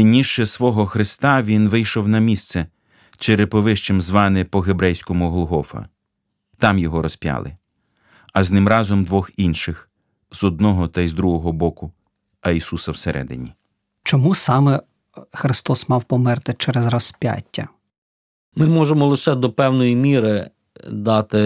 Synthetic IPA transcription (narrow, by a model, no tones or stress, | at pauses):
nʲiʃt͡ʃɛsʋɔɦɔxɾɪst̪ɑʋʲinʋɪjʃɔwnɐmʲist̪sɛ | t͡ʃeɾepɔʋɪʃt͡ʃɪmzʋɑnɪpɔɦebɾɛjsʲkɔmʊɦlˠʊɦɔfɐ̰ | t̪ɑmjɔɦɔɾɔspʲjɑ̰lˠɪ̰ | ɐznɪmɾɑzɔmd̪ʋɔxinʃɪx | zɔd̪̚nɔɦɔt̪ɐjzd̪ɾuɦɔɦɔbɔkʊ | ɐisusɐwseɾʔɛ̰d̪ɪ̰nʲi | t͡ʃɔmusɑmɛ | xɾɪst̪ɔsmɑwpɔmɛrt̪ɪt͡ʃɛɾezrɔspʲja̰tʲːɐ̰ | mɪmɔʒemɔlˠɪʃɛd̪ɔpɛwnɔjimʲiɾɪ | d̪ɑt̪ɪ